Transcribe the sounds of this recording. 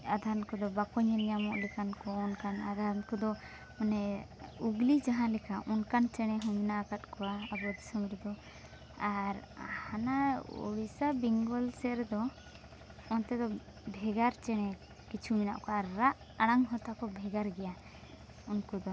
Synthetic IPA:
ad̪ʱaɾnkɔd̪ɔbakɔɲɛnijamɔʔlɛkankɔːnkanad̪ʱankɔd̪ɔ | ɔnɛuɡlid͡ʒaɦãlɛkaʔɔnkant͡ʃɛɽ̃ɛɦuminakat̪̚kɔwaabɔd̪isɔmɾid̪ɔ | aɾhanaɔ̰wisabiŋɡɔlsɛɾɛd̪ɔ | ɔnt̪ɛd̪ɔ | bʱɛɡaɾt͡ʃɛɽ̃ɛ | kit͡ʃʰumina̰ʔkɔaɾːaʔ | aɽ̃aŋɦɔt̪akɔbʱɛɡaɾɡɛja | unkɔd̪ɔ

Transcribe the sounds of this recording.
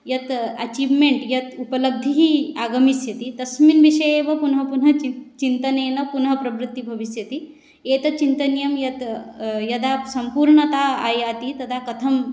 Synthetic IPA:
jɐt̪ɐ̰t͡ʃiːʋmeɳʈjɐt̪upɐlɐb̚d̪ʱiɦiaːɡɐmisjɐt̪it̪ɐsminʋiʂɐjeːʋɐpunɦɐpunɦɐit͡ʃint̪ɐneːnɐpunɦɐpɾɐʋɾut̪ːibʱɐʋisjɐt̪i | eːt̪ɐt͡ʃint̪ɐnjɐmjɐt̪jɐd̪aːsɐmpuːɾɳɐt̪aːa̰ːjaːt̪it̪ɐd̪ʰakɐt̪ʰɐm

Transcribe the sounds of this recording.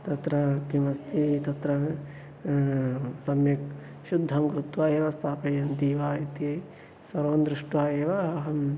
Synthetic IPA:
t̪ɐt̪ɾɐkimɐst̪it̪ɐt̪ɾɐ | sɐmjɐk | ʃud̪ʱːɐmkɾut̪ʋaːjeːʋɐst̪ʰaːpɐjɐnt̪iːʋaːjɐt̪iɐ | sɐɾʋɐnd̪ɾiʂʈʋaːjeːʋɐɐɦɐm

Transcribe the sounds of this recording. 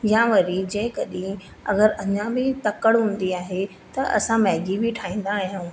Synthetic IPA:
jãːʋɐɾid͡ʑɐ̃ːɦɪ̃kɐɗĩ | ɐ̰ɡəɾɐɲãbɪt̪ɐkəɽɦũːn̆d̪iaːɦe | t̪ɐʔɐ̰sãmɛɦɡibɪʈʰaːĩːn̆d̪aːɦijũː

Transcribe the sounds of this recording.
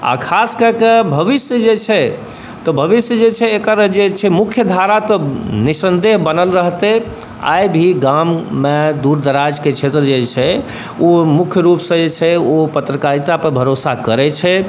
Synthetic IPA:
a̰kʰaskəɾkebʱəʋisjəd͡ʒet͡ʃʰɛ | t̪ɔbʱəʋisjəd͡ʒet͡ʃʰɛːkəɾd͡ʒet͡ʃʰɛmukʰjəd̪ʱaɾat̪ɔnisənd̪eɦbənəlɾəɦt̪e | a̰jbʱiɡammed̪uɾd̪əɾad͡ʒket͡ʃʰet̪ɾəd͡ʒet͡ʃʰɛ | omukʰjəɾupsə̃d͡ʒet͡ʃʰɛopət̪ɾəkaɾit̪apəɾbʱəɾosakəɾɛt͡ʃʰɛ

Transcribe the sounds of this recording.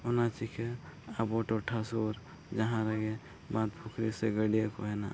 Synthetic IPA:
onat͡ʃikʰeaboʈoʈʰasuɾ | d͡ʒəɦãɾəɡe | bãt̪pʰukʰɾiseɡəɽijekoɦɛna̰

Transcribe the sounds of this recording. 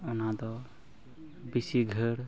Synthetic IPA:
ɔnad̪ɔ | bisiɡʱəɽ

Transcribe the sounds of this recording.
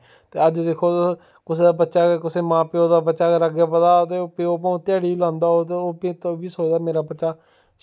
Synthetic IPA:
t̪eːəd͡ʒd̪eːkʰoː | kʊseːd̪aːbətːʃaːkekʊseːmãːpeːoːd̪aːbətːʃaːkeɾəɡjaːpəd̪aːt̪eːpeːoːp̬ãːũt̪ɪjaːɽiːiːlãːnd̪aːɦoːt̪eːoːpet̪oːbiːsoːd̪aːmeːɾaːbətːʃaː

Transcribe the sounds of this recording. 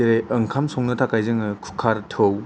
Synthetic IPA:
eɾeɯŋkʰamsɔŋnɯtʰakajzɯŋɯkʰu̥kʰaɾtʰɯw

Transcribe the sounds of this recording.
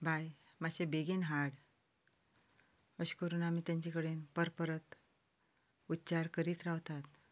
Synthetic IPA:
bʱaj | maɕebeɡiːnɦaɽ | əɕkəɾuːnamiːt̪jãɲt͡ɕikəɽenpəɾpəɾət̪ | ut̪ːt͡ɕaɾkəɾiːt̪ɾawt̪at̪

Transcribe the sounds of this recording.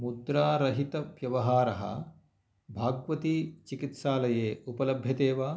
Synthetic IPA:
mud̪ɾaːɾɐɦit̪ɐʋjɐʋɐɦaːɾɐɦɐ̰ | bʱaːɡʋɐt̪iːt͡ʃikit̪ʃaːlɐjeːʔupɐlɐbʱjɐt̪eːʋaː

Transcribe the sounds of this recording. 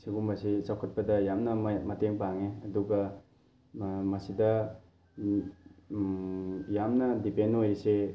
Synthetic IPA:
siɡumbɐsisawkʰɐt̚pɐdɐjamnɐmɐteŋpaŋeɐduɡɐ | mɐsidɐ | jamnɐdipenːojɾise

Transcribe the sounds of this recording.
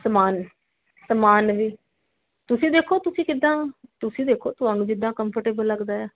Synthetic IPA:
səmaːn | səmaːnʋiː | t̪ʊsĩːd̪eːkʰoːt̪ʊsĩːkɪd̪ːãːt̪ʊsĩːd̪eːkʰoːt̪ʊɦaːnũːd͡ʒɪd̪ːãːkəmpəʈeːbəlləɡd̪aːaː

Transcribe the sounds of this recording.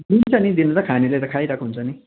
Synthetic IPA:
d̪int͡sʰʌnid̪inut̪ʌkʰanileɾʌkʰajɾakʰoɦunt͡sʰʌni

